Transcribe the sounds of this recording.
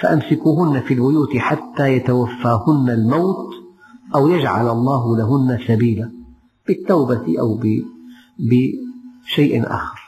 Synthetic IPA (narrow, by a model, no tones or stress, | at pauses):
faʔamsɪkuːɦʊnːafiːlbʊjuːt̪ɪħat̪ːaːjat̪awafːaːhʊnːalmawt̪ | ʔawjad͡ʒʕa̰lʔɑlˤːɑːɦʊlaɦʊnːasabiːla | b̥ɪt̪ːawbat̪ʔawbɪ | bɪʃajʔʔa̰ːxɪɾˤ